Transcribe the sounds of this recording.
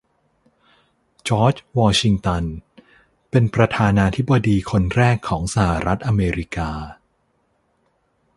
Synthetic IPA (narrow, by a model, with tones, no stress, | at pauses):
t͡ɕɔː˦˥t͡ɕwɔː˧t͡ɕʰi˧ŋt̪a˧n | pe˧npɾa˧t̪ʰaː˧naː˧t̪ʰi˦˥bːa˧diː˧kʰo˧nɾɛː˥˩kʰːɔː˩˦ŋsa˧ha˨˩ɾʔa˦˥t̪̚ʔa˧meː˧ɾi˦˥kaː˧